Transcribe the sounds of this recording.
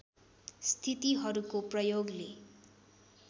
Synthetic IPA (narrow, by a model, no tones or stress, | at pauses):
st̪ʰit̪iɦʌɾukoprʌjoɡle